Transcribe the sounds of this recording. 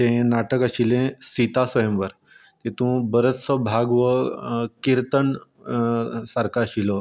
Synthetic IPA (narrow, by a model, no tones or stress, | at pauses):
t̪ẽnaʈəkaɕilẽsit̪asʋəjəmʋəɾ | t̪ẽt̪ũbəɾət̪səbʱaɡʋəkiɾt̪əɳ | saɾkaɕilɔ